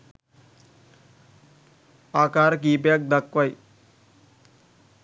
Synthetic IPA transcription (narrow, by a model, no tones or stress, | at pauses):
aːkaːɾk̬iːp̬jak̚d̪ɐkʋɐj